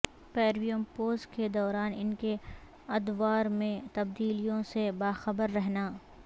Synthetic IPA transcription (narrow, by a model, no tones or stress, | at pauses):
peːɾmijəmpoːzked̪ɔːɾaːnɪnke | ɐd̪ʋaːɾmẽt̪ɐb̚d̪iːlijõsebaːxɐbəɾːɛɦnaː